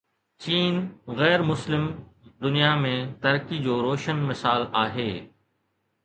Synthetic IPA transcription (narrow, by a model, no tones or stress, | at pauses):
t͡ɕiːnɣɛːɾmʊslɪmd̪ʊnijamẽt̪ɐɾkid͡ʑoːɾoːʃənmɪsaːlaːɦeː